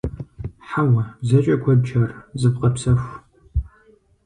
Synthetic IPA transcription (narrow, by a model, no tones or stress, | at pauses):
ħawɐzɐt͡ʃʼɐkʷʰɐdd͡ʒʰɐrzɨbqɐpsɐxʷ